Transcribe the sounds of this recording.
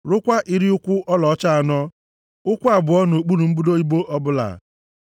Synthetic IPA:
ɾʊ˦kʷa˦ʔi˦ɾi˦ʊ˦kʷʊ˦ʔɔ˦lɔ˨ɔ˦t͡ʃa˦a˨nɔ˦ | ʊ˦kʷa˨bʊ˨ɔ˦no˨k͡pu˦lu˨m̩˦bu˦do˦i˦bo˦ʔɔ˦bʊ˦la̰˨

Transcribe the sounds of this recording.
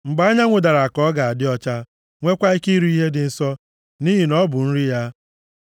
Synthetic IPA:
ŋ͡m̩˨ɡ͡ba˨˦ɲa˦ŋʷʊ˨da˨ɾa˨a˨kɔ˨˦ɡa˨a˨dɪ˦ɔ˦t͡ʃa˦ | ŋʷe˦kʷa˦i˦ki˦ɾu˦i˦ɦe˦dɪ˨n̩˨sɔ˦ | ni˦ɦi˨nɔ˦bʊ˨n̩˦ɾi˦ja˦

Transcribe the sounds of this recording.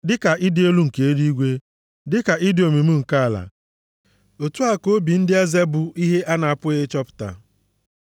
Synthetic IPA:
dɪ˦ka˨ʔɪ˦dɪ˦o˦lu˦ŋ̩˨ke˨e˦di˦i˦ɡʷe˦ | dɪ˦ka˨ʔɪ˦dɪ˨o˨me˨m̩˦ŋ̩˨ka˦˨la̰˨ | o˨tu˦a˨ko˦bi˨n̩˦dɪ˦a˦ze˦bʊ˨i˦ɦe˦ʔa˦na˨a˨pʊ˦ɪ˦t͡ʃɔ˦pʊ̥˨ta̰˨

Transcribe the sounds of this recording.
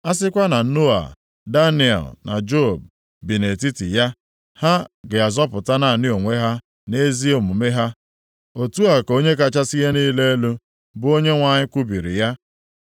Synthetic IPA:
a˦s̬ɪ˦kʷa˦na˨˦no˦a̰˨ | da˦ni˨ɛ̰˨lna̰˨d͡ʒo˦˨b̚ | bi˨ne˨ti˦tḭ˨ja˦ | ha˦ɡe˨a˨zɔ˦pʊ˨ta˦na˨a˨nɪ˦o˨ŋʷe˦ɦa˦ | ne˦zi˦o˨mu˨me˦ɦa˦ | o˨tu˦a˨ko˦ɲe˦k̬a˦t͡ʃa˦si˦ɣe˦ni˦le˦e˦lu˦ | bʊ˦o˦ɲe˦ŋʷa˨ɲɪ˦kʷu˦bi˨ɾḭ˨ja˦

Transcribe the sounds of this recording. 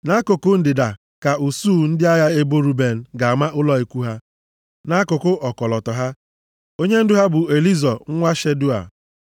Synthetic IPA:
na˦kʊ˨kʊ˦n̩˦dɪ˨da˨ | ka˨u˨suː˦˨n̩˦dɪ˦a˦ja˦e˦bo˦ɾu˦be˨n̩˨ɡa˨a˨ma˦ʔʊ˦lɔ˦e˨kʷu˦ɦa˦ | na˦kʊ˨kʊ˦ʔɔ˨kɔ˨lɔ˨tɔ˨ɦa˦ | o˦ɲe˦n̩˦dʊ˦ɦa˦bʊ˨e˨li˦zɔ˨ŋ̩˦ŋʷa˦ʃe˦dʊ˦a̰˨

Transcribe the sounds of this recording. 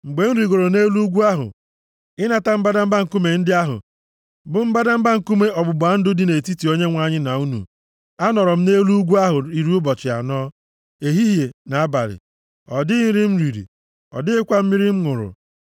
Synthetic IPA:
ŋ͡m̩˨ɡ͡be˨n̩˦ɾi˨ɡo˨ɾo˨ne˦lu˦ɡʷu˦a˦ɦʊ̰˨ | ɪ˦na˨ta˦m̩˦ba˦da˦m̩˦ba˦ŋ̩˨ku˦me˨n̩˦dɪ˦a˦ɦʊ̰˨ | bʊ˨m̩˦ba˦da˦m̩˦ba˦ŋ̩˨ku˦me˦ɔ˨bʊ˨bʊ˨a˨n̩˦dʊ˦dɪ˦ne˨ti˦ti˨o˦ɲe˦ŋʷa˦˨ɲɪ˦na˨u˦nṵ˨ | a˦nɔ˨ɾɔ˨m̩˦ne˦lu˦u˦ɡʷu˦a˦ɦʊ˨i˨ɾi˦ʊ˦bɔ˨t͡ʃɪ˨a̰˨nɔː˦ | e˨ɦi˦ɦje˨na˨a˦ba̰˨ɾɪ̰˨ | ɔ˨dɪ˦i˦ɾɪ˦m̩˦ɾi˨ɾḭ˨ | ɔ̰˨dɪ˦ɪ˦kʷa˦m̩˦mi˦ɾɪ˦m̩˦ŋʊ˨ɾʊ̰˨

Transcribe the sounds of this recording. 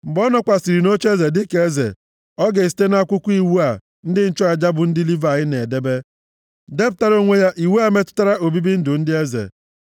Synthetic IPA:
m̩˨bɔ˦nɔ˦kʷa˨si˨ɾi˨no˦t͡ʃe˦ze˨dɪ˦ke˨˦e˦zḛ˨ | ɔ˦ɡe˨s̬i̥˨te˦na˦˨kʷʊ˦kʷu˦i˦wu˦a˨ | n̩˦dɪ˦n̩˦t͡ʃɔ˦a˨d͡ʒa˦bʊ˨n̩˦dɪ˦li˦va˨ɣɪ˦ne˨de˦be˦ | de˦b̚ta˨ɾo˦ŋʷe˦ja˦ʔi˨wu˦a˦me˦tʊ̥˦ta˦ɾa˦ʔo˨bi˦bi˦n̩˦dʊ˨n̩˦dɪ˦e˦zḛ˨

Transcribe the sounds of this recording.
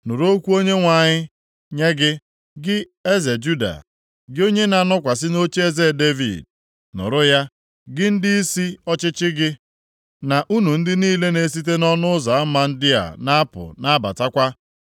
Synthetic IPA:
nʊ˨ɾo˦kʷu˦o˦ɲe˦ŋʷa˨ɲɪ˦ | ɲe˦ɡɪ˦ | ɡɪ˦ | e˦ze˨d͡ʒu˦da̰˨ | ɡɪ˦o˦ɲe˦na˨nɔ˦kʷa˨s̬ɪ˦no˦t͡ʃe˦ze˦˨de˦vḭ˨d̚ | nʊ̰˨ɾʊ˦ja˦ | ɡɪ˦n̩˦dɪ˦i˦si˦ɔ˦t͡ʃɪ˦t͡ʃɪ˦ɡɪ˦ | na˨ʔu˦nu˨n̩˦dɪ˦niː˦le˦ne˨˦s̬i˦t̬e˦nɔ˦nʊ˦za˨a˦ma˦n̩˦dɪ˦a̰˨na˦a˦pʊ̰˨na˦ba̰˨ta˦kʷa˦

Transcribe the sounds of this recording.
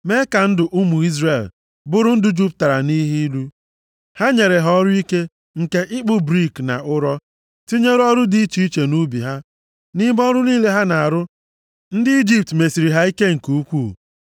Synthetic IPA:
me˦ka˨n̩˦dʊ˨ʔu˦mu˨i˦zre˨l | bʊ˦ɾʊ˦n̩˦dʊ˦d͡ʒu˦pta˨ɾa̰˨ni˦ɦi˦i˦lu˦ | ha˦ɲe˨ɾe˨ɦɔ˦ɾʊ˦i˦ke˦ | ŋ̩˨ke˦ʔɪ˦k͡pʊ˦bɾi˦˨kna̰˨ʔʊ˦ɾɔ˦ | ti˦ɲe˦ɾɔ˦ɾʊ˦di˦i˦t͡ʃi˨i˦t͡ʃe˨nu˦bi˨ɦa˦ | nɪ˦bɔ˦ɾʊ˦niː˦le˦ɦa˦na˨a˨ɾʊ˦ | n̩˦dɪ˦i˦d͡ʒi˦p̚tme˨si˨ɾi˨ɦa˦i˦ke˦ŋ̩˨ku˨u˦kʷu˦˨

